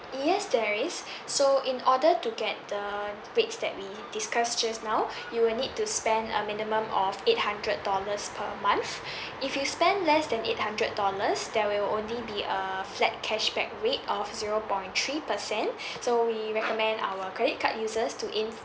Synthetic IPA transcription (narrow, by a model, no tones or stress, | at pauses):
jɛsdɛɹisː | oʔĩnʔɔdətuɡɛt̚də | ɹetsdɛ̰t̚wi | d̥iskasd͡ʒasnaw | juwɪlnid̚tuspɛ̃ndə̰minimə̃mɔfet̚hãndɹəd̚dɔləspʰəmãnθ | ifjuspɛ̃ndlɛsdɛ̃net̚hãndɹəd̚dːɔləsdɛwilõnlibiʔəflɛt̚kʰɛʃbɛ̰k̚ɹetɔfziɹopɔ̃j̃nt̪ʰɹipəsɛ̃nsowiɹɛkɔmɛ̃nda̰wəkʰɹɛdit̚kʰaʔ̚juzəstuʔĩn